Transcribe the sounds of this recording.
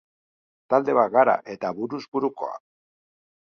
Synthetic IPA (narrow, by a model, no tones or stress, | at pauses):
t̪ald̪e̞βaɣaɾa̰ʔe̞t̪aβuɾuzbuɾuko̞̰a̰